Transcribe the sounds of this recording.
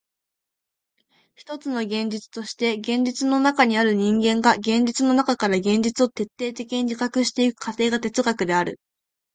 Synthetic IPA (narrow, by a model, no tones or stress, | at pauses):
çi̥t̪o̞t͡sɨno̞ɡẽ̞ɲ̟d͡ʑit͡sɨ̥t̪o̞ɕi̥t̪e̞ɡẽ̞ɲ̟d͡ʑit͡sɨno̞nakaɲ̟iaɾɯ̟ɲ̟ĩŋɡẽ̞ŋɡaɡẽ̞ɲ̟d͡ʑit͡sɨno̞nakakaɾaɡẽ̞ɲ̟d͡ʑit͡sɨo̞t̪e̞t̪ːe̞ːt̪e̞kʲiɲ̟id͡ʑikakɯ̟ɕi̥t̪e̞ikɯ̟̥kʰat̪e̞ːɡat̪e̞t͡sɨɡakɯ̟d̪e̞aɾɯ̟̰